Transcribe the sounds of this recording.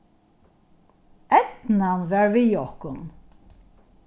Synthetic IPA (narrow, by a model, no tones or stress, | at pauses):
ɛt̪nanvɛɹvijɔhkʊn